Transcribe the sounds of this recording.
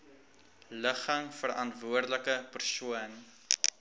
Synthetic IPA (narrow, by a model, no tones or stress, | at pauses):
ləχəŋfərɐntvuərdələkəpərsuən